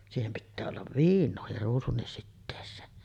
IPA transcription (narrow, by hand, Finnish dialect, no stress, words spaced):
siːhem pitːæː olːɑʋ ʋiːnˑoːhir ruːsunːis sitːeːsˑeːn